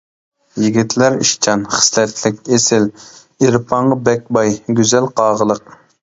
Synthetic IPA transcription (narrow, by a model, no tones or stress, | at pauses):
jiɡʲit̪ʰlæɾiʃt͡ʃʰɑnχə̥slɛt̪lɪkʲesɪl | eɾpʰɑɴʁəbɛk̚ʲbɑjɡʲyzɛlqʰɑːʁəlˠəq̚